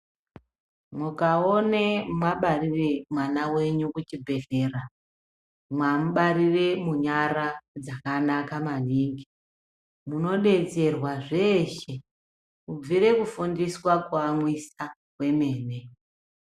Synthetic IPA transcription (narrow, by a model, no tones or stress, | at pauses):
mukao̞nemwaɓariremwanawe̞ɲukut͡ʃibʱe̞ɮe̞ːra | mwamuɓaɾire̞muɲaɾad͡zakanakamaniŋɡi | muno̞ɗe̞t͡se̞rwaʐe̞ːʃe̞ | ub͡viɾe̞kufundiswakuamwisa | we̞me̞ːne